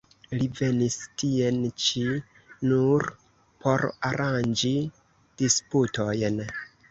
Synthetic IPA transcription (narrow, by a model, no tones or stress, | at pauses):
live̞nistie̞nt͡ʃi | nuɾ | pʰo̞ɾaɾand͡ʒi | d̥isputo̞jn